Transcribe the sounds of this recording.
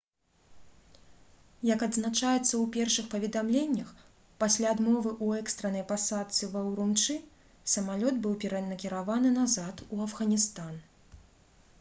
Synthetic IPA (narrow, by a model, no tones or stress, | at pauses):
jɐkɐd̪znat͡ʂajɛt̪sːɐwpʲɛrʂɨxpɐvʲɛd̪amlʲenʲːɐx | pasʲlʲaːd̪mɔvɨʔuɛkst̪ɾɐnɐjpasat̪sʲɨvɐwɾunt͡ʂɨ | sɐmalʲɔd̪bɨwpʲɛɾɐnɐkʲiɾavanɨnazat̪uɐvɣɐnʲist̪an